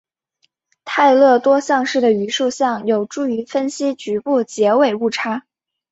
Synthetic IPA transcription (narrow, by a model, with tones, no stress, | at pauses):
t̪ʰa˥˧ɪlɤ˥˩t̪wɔ˥ɕjɑ˥˧ŋʂɻ̩˥˩d̪ə˩y˧˥ʂu˥˧ɕjɑ˥˩ŋjo˨˩ʊʈ͡ʂu˥˩y˧˥fə˥nɕi˥t͡ɕy˧˥pu˥˩t͡ɕjɛ˧˥we˨˩ɪu˥˩ʈ͡ʂʰa˥